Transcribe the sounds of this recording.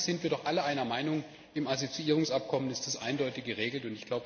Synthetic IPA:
z̥ɪntv̥iːɐɾɔχʔaləʔaɪnɐmaɪnʊŋ | ɪmazot͡siiːʁ̞ʊŋsʔap̚kʰɔmənɪstd̥asʔa̰ɪndɔʏtɪçɡ̥əʁ̞eːɡl̩tʊntɪçɡ̥laʊbə

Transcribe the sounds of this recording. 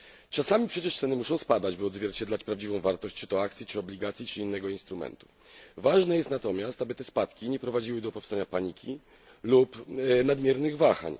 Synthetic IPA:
t͡ʂasamʲipʂɛt͡ɕɛʂt̪sɛnɘmuʂɔ̃w̃spad̪ad͡ʑbɨɔd̪zvʲjɛɾt͡ɕɛd̪lat͡ɕpɾavd͡ʑivɔ̃w̃vaɾt̪ɔɕt͡ɕt͡ʂɘ̥t̪ɔakt̪sʲit͡ʂɘɔblʲiɡat̪sʲjit͡ʂɘinːɛɡɔinst̪ɾumɛ̰nt̪u̥ | vaʐnɛjɛst̪nat̪ɔmʲjast̪abɘt̪ɛspat̪kʲiɲɛpɾɔvad͡ʑiwɘd̪ɔpɔfst̪aɲapaɲikʲi | lupnad̪mʲjɛɾnɘɣvaxa̰ɲ

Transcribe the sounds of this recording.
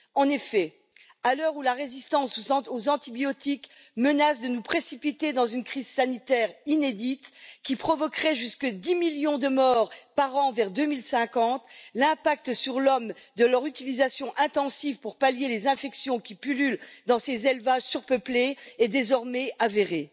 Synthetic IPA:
ɑ̃nefɛ | alœʁulaʁezist̪ɑ̃suozɑ̃t̪ibjɔt̪ik | mənasd̪ənupχesipit̪ed̪ɑ̃zynkχizsanit̪ɛʁined̪it̪kʲipχɔvɔkχɛʒyskəd̪imiljɔ̃d̪əmɔʁpaʁɑ̃vɛʁd̪ømilsɛ̃kɑ̃t̪lɛ̃pak̚t̪əsyʁlɔmd̪əlœʁyt̪ilizasjɔ̃ʔɛ̃t̪ɑ̃sivpuʁpaljelezɛ̃fɛksjɔ̃kʲipylyld̪ɑ̃sezelvaʒsyʁpəpleɛd̪ezɔʁmɛaveʁe

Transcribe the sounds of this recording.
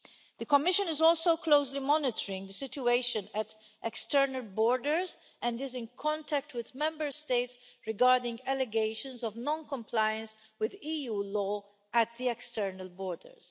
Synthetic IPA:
ðəkɔmɪʃə̃nɪzɔlsoʊkloʊslimɔnɪtʰəɹɪ̃ŋɡd̪əsɪtueɪʃə̃næt | ʔɛkstɛɹnəlbɔːɹdəɹz | ʔɛ̃ndɪzɪ̃nkʰɔ̃ntʰæk̚twɪðmɛ̃mbəɹsteɪtsɹɪɡaɹdɪ̃ŋɡælɛɡeɪʃə̃nzɔvnɔ̃nkɔ̃mpʰlajə̃ns | wɪðiːjuːlɔː | æt̪̚ðiɛkstɛɹnəlbɔːɹdə̰ɹz̥

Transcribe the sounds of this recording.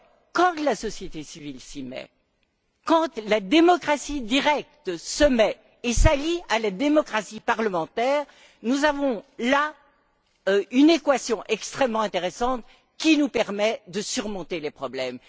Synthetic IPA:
kɑ̃t̪lasɔsjet̪esivilsimɛ̰ | kɑ̃t̪lad̪emɔkχasid̪iʁɛk̚t̪səmɛ | esalialad̪emɔkχasipaʁləmɑ̃t̪ɛːʁ | nuzavɔ̃la | ynekwasjɔ̃ʔɛkst̪χɛmːɑ̃ɛ̃t̪eʁesɑ̃t̪ | kʲinupɛʁmɛd̪əsyʁmɔ̃t̪elepχɔblɛm

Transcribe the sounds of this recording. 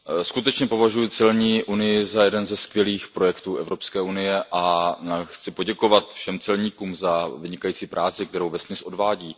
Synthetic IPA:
skut̪ɛt͡ʃɲɛpo̞vaʒujɪt͡sɪlɲiːʔunɪjɪzajɛdɛnzɛskvjɛliːxpɾo̞jɛkt̪uːʔɛvɾopskɛːʔunɪjɛʔaaxt͡sɪpo̞ɟɛko̞vat̪fʃɛmt͡sɛlɲiːkuːmzavɪɲɪkajiːt͡siːpɾʔaːt͡sɪkt̪ɛɾowvɛsmɪsʔodvaːɟiː

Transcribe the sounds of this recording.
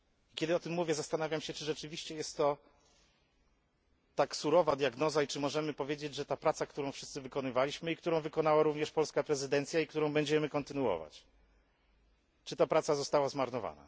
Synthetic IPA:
ikʲɛd̪ɘɔt̪ɘmːuvʲjɛzast̪anavʲjamɕɛt͡ʂɘʐɛt͡ʂɘvʲiɕt͡ɕɛjɛst̪ːɔ | t̪aksuɾɔvad̪jaɡnɔzait͡ʂɘmɔʐɛmɘpɔvʲjed͡ʑed͡ʑʐɛt̪apɾat̪sakt̪uɾɔ̃w̃fʂɘst̪sɘvɘkɔnɘvalʲiɕmɘikt̪uɾɔ̃w̃vɘkɔnawaɾuvɲɛʂpɔlskapɾɛzɘd̪ɛnt̪sʲjaikt̪uɾɔ̃w̃bɛɲd͡ʑɛmɘkɔnt̪ɘnuwɔ̰va̰t͡ɕ | t͡ʂɨ̥t̪apɾat̪sazɔst̪awazmaɾnɔva̰na̰

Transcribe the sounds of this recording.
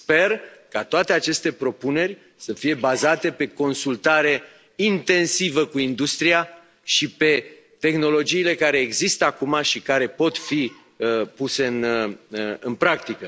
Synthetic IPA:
spe̞rkat̪oat̪e̞at͡ʃe̞st̪e̞pɾo̞pune̞rʲ | səfije̞bazat̪e̞pe̞ko̞nsult̪aɾe̞ | int̪e̞nsivəkuind̪ust̪ɾia | ʃipe̞ | t̪e̞xno̞lo̞d͡ʒiːle̞kaɾe̞ːɡzist̪əakumaʃikaɾe̞po̞t̪fi | puse̞ɨn | ɨnpɾak̚t̪ikə

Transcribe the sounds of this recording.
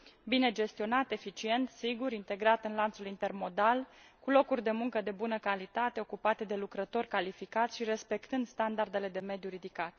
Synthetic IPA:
bine̞d͡ʒe̞st̪io̞nat̪e̞fit͡ʃie̞nt̪siɡuɾint̪e̞ɡɾat̪ɨnlant̪sulint̪e̞rmo̞d̪alkulo̞kurʲd̪e̞muŋkəd̪e̞bunəkalit̪at̪e̞o̞kupat̪e̞d̪e̞lukɾət̪o̞rʲkalifikat̪sʲʃiɾe̞spe̞kt̪ɨnd̪st̪and̪ard̪e̞le̞d̪e̞me̞d̪juɾid̪ikat̪

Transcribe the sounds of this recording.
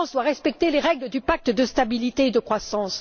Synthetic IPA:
sd̪waʁɛspɛk̚t̪eleʁɛɡləd̪ypak̚t̪d̪əst̪abilit̪eːd̪əkχwasɑ̃s

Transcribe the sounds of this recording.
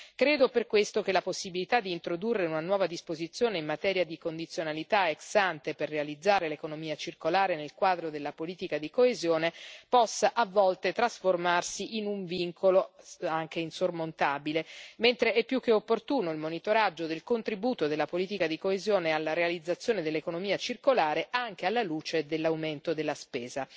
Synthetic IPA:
kɾeːd̪operkwest̪okelaposːibilit̪ad̪ːiːnt̪ɾod̪urːeunanwɔːvad̪ispozit̪sːjoːneimːat̪ɛːɾjad̪ikond̪it̪sːjonalit̪aeksant̪eperːealid̪zːaːɾelekonomiːat͡ʃirkolaːɾenelkwaːd̪ɾod̪elːapoliːt̪ikad̪ikoezjoːnepɔsːaʔavːɔlt̪et̪ɾasformarsiʔinuɱviŋkʰoloaŋk̟einsormont̪aːbilement̪ɾeɛpːjuk̟ːeopːort̪uːnoilmonit̪oɾad͡ʒːod̪elkont̪ɾibuːt̪od̪elːapoliːt̪ikad̪ikoezjoːnealːaɾealid̪zːat̪sːjoːned̪elːekonomiːat͡ʃirkolaːɾeʔaŋk̟ealːaluːt͡ʃed̪elːawment̪od̪elːaspeːza

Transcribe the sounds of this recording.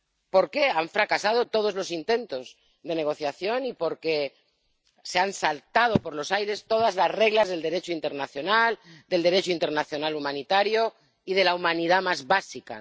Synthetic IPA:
po̞ɾke̞aɱfɾakasað̞o̞t̪o̞ð̞o̞zlo̞sint̪ẽ̞nt̪o̞z | ðe̞ne̞ɣ̞o̞θjaθjo̞nipo̞ɾke̞ | seansalt̪að̞o̞po̞ɾlo̞sajɾe̞st̪o̞ð̞azlazre̞ɣlazðeld̪e̞ɾe̞t͡ʃoint̪e̞ɾnaθjo̞nald̪e̞ld̪eɾe̞t͡ʃoint̪e̞ɾnaθjo̞nalumãnit̪aɾjo̞ | ið̞e̞laumãniðamazβasika̰

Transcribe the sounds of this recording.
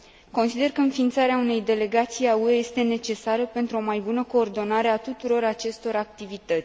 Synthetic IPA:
ko̞nsid̪e̞rkəɨnfint̪saɾeaune̞jd̪e̞le̞ɡat̪sijaueje̞st̪e̞ne̞t͡ʃe̞saɾəpe̞nt̪ɾuo̞majbunəko̞ːrd̪o̞naɾe̞at̪ut̪uɾo̞ɾat͡ʃe̞st̪o̞ɾak̚t̪ivit̪ət̪sʲ

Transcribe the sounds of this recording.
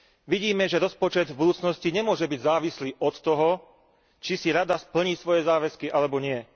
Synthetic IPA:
ʋiɟiːmɛʒɛɾɔspɔt͡ʃɛd̪vbud̪uːt͡snɔsciɲɛmʊɔʒɛbiɟzaːʋisliːʔɔt̪ːɔɦɔ | t͡ʃisiɾad̪aspl̩ɲisʋɔjɛzaːʋɛskiʔalɛbɔɲɪɛ

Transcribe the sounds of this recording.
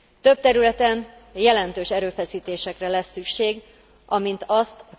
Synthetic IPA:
t̪ø̞p̚t̪ɛɾylɛt̪ɛn | jɛlɛnt̪øːʃɛɾøːfɛsiːt̪eːʃɛkrɛlɛsːykʃeːɡ | ʔɒmint̪ɒst̪ɒ

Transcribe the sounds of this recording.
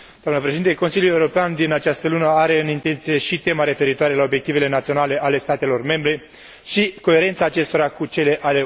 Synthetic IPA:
d̪oamnəpɾeʃed̪int̪e̞ko̞nsiljule̞uɾo̞peand̪inat͡ʃast̪əlunəaɾe̞ɨnint̪e̞nt̪sije̞ʃit̪e̞maɾe̞fe̞ɾit̪oaɾe̞lao̞bjekt̪ive̞le̞nat̪sionale̞ʔale̞st̪at̪e̞lo̞rme̞mbɾe̞ | ʃiko̞e̞ɾent̪saːt͡ʃe̞st̪o̞ɾakut͡ʃe̞le̞ʔale̞

